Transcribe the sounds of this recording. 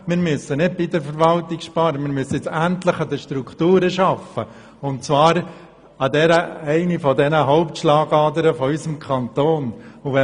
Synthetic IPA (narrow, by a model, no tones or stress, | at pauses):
mɪɾmʏsːənɪd̚b̥idəɾfəɾvɑltɪkʃpɑːɾəmɪɾmʏsəjɪt͡sænt̪ləχɑd̪əʃtɾukʰtuːɾəʃɑfə | ʊntt͡svɑːɾ | ɑdɛɾəɛɪnifɔdɛnəɦɔʊptʃlɑːɡɑːdəɾəfɔysəmkʰɑnt̪oːnʊvɛ